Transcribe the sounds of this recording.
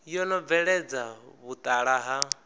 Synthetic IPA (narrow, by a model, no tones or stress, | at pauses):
jɔlɔvɛɺɛd͡zaβut̪ʼaɺaɦa